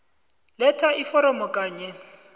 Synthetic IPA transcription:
lɛtʰaʔifɔɾɔmɔkʼaːɲɛ

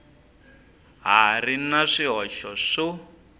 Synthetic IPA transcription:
ɦarinaʂiɦɔʃɔʂɔ

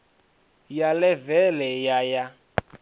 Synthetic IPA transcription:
jalɛvɛlɛjaja

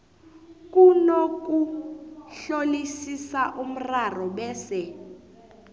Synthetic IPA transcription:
k̬ʼunok̬ʼu | ɬolisisaʔum̩rarɔɓɛːsɛ

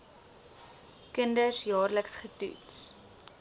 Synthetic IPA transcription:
kəndəsjɑːrləksχətṵts

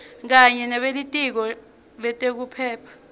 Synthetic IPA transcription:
k̬aɲɛnaɓelitʼik̬ɔ | lɛtʼek̬upʰɛːpʰḁ

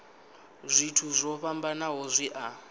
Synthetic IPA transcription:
zʷitʰuzʷɔɸambanaɦɔzʷiʔa

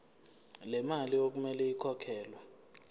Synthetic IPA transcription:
lɛmaliok̬umɛlɛikʰɔkʰɛːlwa

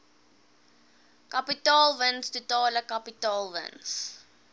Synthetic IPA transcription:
kapitɑːlˠvənstutɑːləkapitɑːlˠvə̰ns

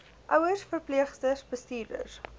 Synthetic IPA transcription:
ʔœwərsfərpliəχstəsbəstiːrdə̰r

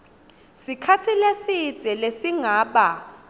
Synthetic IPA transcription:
sikʰatʰilesi̥t͡sɛlesiŋaːɓa

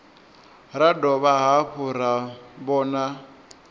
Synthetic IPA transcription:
radɔβaɦaɸuɾabɔːna

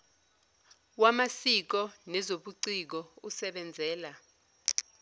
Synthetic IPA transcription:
wamasik̬ɔnɛzoɓuǀik̬ɔusɛɓɛnd͡zʱɛːla

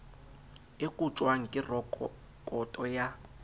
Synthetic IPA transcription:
ekʼut͡ʃʼwaŋ̩kʼɪr | kʼɔtʼɔja

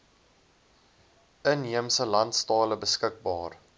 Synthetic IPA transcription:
ənɦiəmsəlɐntstɑːləbəskək̚bɑːr

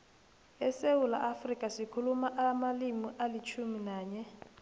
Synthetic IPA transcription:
ɛsewula̰ʔafrikʼasikʰulumaʔamalimiʔalit͡ʃʰuminaːɲɛ

